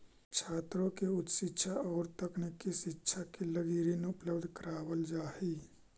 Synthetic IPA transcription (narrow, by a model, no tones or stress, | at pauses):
t͡ʃʰaːt̪ɾõkeʊt̪ʃɪtːʃʰaɔːɾt̪əknikːisɪtːʃʰakeləɡiːɾineʊpləbd̪ʱkəɾaːwəld͡ʒaːɦi